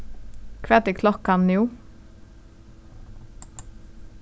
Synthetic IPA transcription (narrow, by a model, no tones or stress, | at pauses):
kʰʋɛːt̪ikʰlɔkannjuː